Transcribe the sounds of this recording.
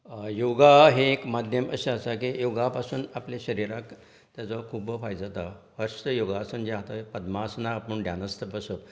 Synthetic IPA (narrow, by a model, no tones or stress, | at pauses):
joɡaɦeːkmad̪ʱjəməɕeəsak̬ijoɡapasuːnaplaɕəɾiɾak | t̪jat͡sɔkʰuːbəfajd͡zat̪aʋəɾst̪əjoɡaəsuːnd͡ʑeaɦt̪aepəd̪masunaːpuːɳɖjanəst̪əbəsə